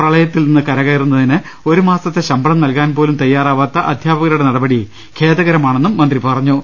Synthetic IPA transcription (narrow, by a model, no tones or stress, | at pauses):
prɐɭɐjɐt̪ːilninːɨkɐɾɐɣɐjrunːɐðinɨ | o̞ɾumaːsɐt̪ːe̞ɕɐmbɐɭɐmnɐlkaːnpo̞ːlumt̪ɐjːaːraːʋaːt̪ːɐʔɐd̪ʱjaːbɐɣɐɾɐuɽenɐɽɐbɐɽi | kʰe̞ːðɐɣɐɾɐmaːɳenːumːɐnd̪ripɐrɐɲːu